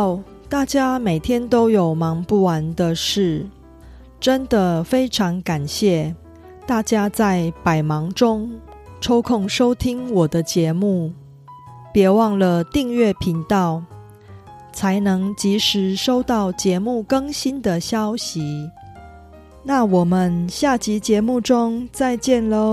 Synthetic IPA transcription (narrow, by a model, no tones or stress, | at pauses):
t̪at͡ɕjameɪt̪ʰjɛnt̪oʊjoʊmɑŋpuwand̪əʂɻ̩ | ʈ͡ʂənd̪əfeɪʈ͡ʂʰɑŋkanɕjɛ | t̪at͡ɕjat͡saɪpaɪmɑŋʈ͡ʂʊŋ | ʈ͡ʂʰoʊkʰʊŋʂoʊt̪ʰiŋwɔd̪ət͡ɕjɛmu | pjɛwɑŋlət̪iŋɥɛpʰiŋt̪ɑʊ | t͡sʰaɪnɤŋt͡ɕiʂɻ̩ʂoʊt̪ɑʊt͡ɕjɛmukɤŋɕind̪əɕjɑʊɕi | nawɔmənɕjat͡ɕit͡ɕjɛmuʈ͡ʂʊŋt͡saɪt͡ɕjɛnlə